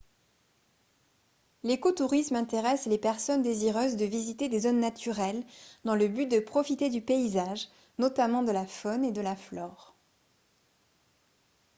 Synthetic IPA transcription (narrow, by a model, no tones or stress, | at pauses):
lekot̪uʁismɛ̃t̪eʁɛslepɛʁsɔnd̪eziʁøzd̪əvizit̪ed̪ezonːat̪ʰyʁɛld̪ɑ̃ləbyt̚d̪əpχɔfit̪ed̪ypeizaʒ | nɔt̪amɑ̃d̪əlafɔned̪əlaflɔːʁ